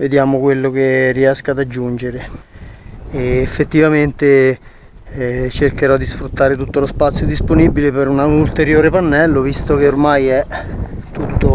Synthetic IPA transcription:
ved̪jaːmokwelːokerːiɛskaːd̪ad͡ʒːund͡ʒeɾe | eːfːet̪ːivament̪e | t͡ʃerkeɾɔd̪ːisfɾut̪ːaːɾet̪ut̪ːolospat̪sːjod̪isponibilepeɾunault̪eɾjoːɾepanːɛlːovist̪ok̟eormajɛ | t̪ːut̪ːo

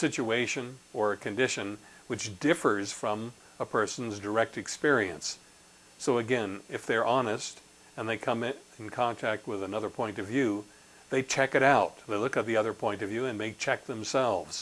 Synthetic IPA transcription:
sɪt͡ʃueɪʃɨ̃nə˞ɨkʰɨ̃ndɪʃɨ̃n | wɨt͡ʃd̥ɪfə˞z̥fɹʌ̃m | əpʰɜ˞sn̩zdə˞ɛk̚tɨkspɪɹiɨ̰̃nsː | oʊɨɡɛ̃nɪfðə˞ʔɑnɨst | ɨ̃nðeɪkʰʌ̃mɪɾɪ̃nkʰɑ̃ntʰæk̚t̚wɨðɨnʌðə˞pʰɔ̃ɪ̃ntʌvjʉ | ðeɪt͡ʃʰɛkɨɾaʊt̪̚ðeɪlʊkɨt̪̚ðiʌðə˞pʰɔ̃ɪ̃ntʌvjʉɨ̃nmeɪt͡ʃʰɛk̚ðɨ̃msɛlˠvz̥

